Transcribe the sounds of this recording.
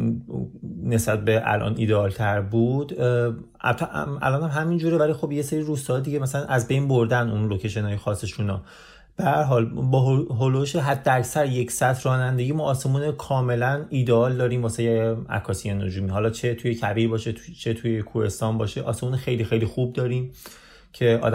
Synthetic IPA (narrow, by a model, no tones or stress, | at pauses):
ne̞sbæt̪̚be̞ʔæ̰lʔɒ̰nḭd̪eɒːlt̪ʰæɾbuːd̪̥ | æ̰t̪ʰæ̰lɒːnhæmɦæmind͡ʒuːɾevælixo̞bjeseɾiɾuːst̪ɒːjd̪iɟemæsælænʔæzbe̞jnboɾd̪ænunlocʰeʃ̬enɒːjexɒːsːeʃunɒ̰ | b̥ehæɾɦɒːlbɒːɦɦoloʃeɦæd̪ːææcsæɾje̞cʰsæt̪ʰrɒːnænd̪eɟimɒːse̞muːnekʰɒːme̞læniːd̪eɒːld̪ɒːɾiːmvɒːsejeæ̰kʰːɒːsijeno̰d͡ʒuːmiɦɒlɒːt͡ʃʰe̞t̪ʰujecʰæbiːɾbɒːʃet͡ʃʰet̪ʰujekʰuhe̞st̪ɒːnbɒːʃeʔɒ̰ːse̞muːnexe̞jlixe̞jlixub̚d̪ɒːɾiːm | cʰe̞ʔɒ̰ːd̪